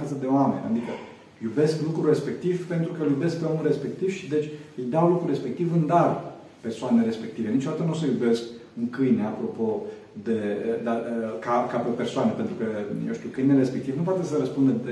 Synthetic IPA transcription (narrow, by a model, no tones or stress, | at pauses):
at̪zəd̪e̞oamḛnʲʔa̰d̪ikə | jube̞sklukɾure̞spe̞k̚t̪ivpe̞nt̪ɾukəljube̞sk̚peo̞mulre̞spe̞k̚t̪iv̥ʃid̪e̞t͡ʃʲɨjd̪awlukɾure̞spe̞k̚t̪ivɨnd̪ar | pe̞rsoaneɾe̞spe̞k̚t̪ive̞nit͡ʃo̞d̪at̪ənusəjube̞skɨŋkɨjneapɾopo̞ | d̪e̞d̪akakapepe̞rsoanepe̞nt̪ɾukəjewʃt̪ukɨjneɾespekt̪ivnup̬wat̪e̞səɾəspund̪əd̪e